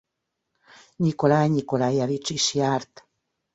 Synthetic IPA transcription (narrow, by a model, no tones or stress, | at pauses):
ɲikolaɲikolajaβit͡ʃiʃiaɾt̪